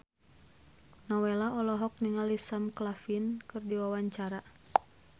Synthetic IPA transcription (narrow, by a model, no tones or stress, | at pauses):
nɔwɛlaɔlɔɦɔk̚niŋalisamklafinkɨrdiwawaɲt͡ʃaɾa